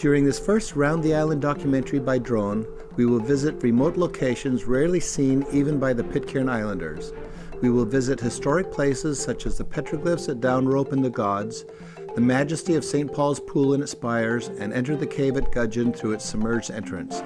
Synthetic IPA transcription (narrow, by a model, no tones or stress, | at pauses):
d̥jʊɹɪ̃ŋðɪsfɜ˞st̚ɹãʊ̃nðiaɪlˠə̃ndɑkjɨmɛ̃ntə˞ibaɪdɹõʊ̃n | wiwəlˠvɪzɨt̚ɹɨmoʊtˡloʊkʰeɪʃɨ̃nzɹɛɹlˠisĩnivɨ̃nbaɪðɨpʰɪt̚kʰɛ̃ɹnaɪlˠə̃ndə̰˞z̥ | wiwəlˠvɪzɨt̚hɨstɔɹɨk̚pʰl̥eɪsɨz̥sʌt͡ʃɨzðɨpʰɛt͡ʃɹ̥ɨɡlɪfsɨt̚d̥ãʊ̃nɹoʊpɨ̃nðɨɡɑdz | ðɨmæd͡ʒɨstiʌv̥sẽɪ̃npʰɔlˠz̥pʰulˠə̃nɨspaɪə˞zɨ̃nɛ̃ntə˞ðɨkʰeɪvɨt̚ɡ̥ʌd͡ʒɨ̃nθɹʉɨtsəmɜ˞d͡ʒdɛ̰̃nt͡ʃɹ̥ɨ̰̃ns